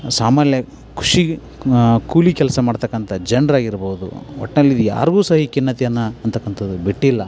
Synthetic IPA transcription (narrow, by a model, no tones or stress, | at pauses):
saːmaːljɐ | kʰu̥ʂi | kuːlikɛlɐsɐmaːɖt̪ɐkːɐnt̪ʰɐd͡ʒeɳɖɾaːɡiɾboːud̪ṵɔ̰ʈːnɐlːid̪uja̰ːɾɡuːsɐɦikinːɐt̪ijɐnːɐːnt̪ɐkːɐnt̪ɐd̪ubiʈːilːɐ